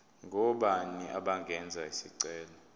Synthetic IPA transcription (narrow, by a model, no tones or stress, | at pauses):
ŋɡʱɔɓaniʔa̰ɓaŋɡʱɛnd͡zʱaisiǀɛːlɔ